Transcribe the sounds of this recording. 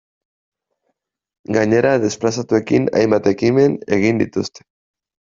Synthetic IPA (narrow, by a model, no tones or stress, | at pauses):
ɡaɲe̞ɾaðe̞splasat̪ue̞kina̰jmbat̪e̞kime̞ne̞ɣ̞ind̪it̪ust̪e̥